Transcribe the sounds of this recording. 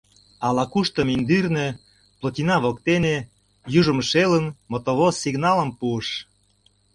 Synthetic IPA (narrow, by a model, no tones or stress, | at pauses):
ɑlɑkuʃt̪ə̆mind̪yrnø̆ | plˠot̪ʲinɑβokt̪ene | juʒə̆mʃelənmot̪oβosːiɣnɑləmpuəʃ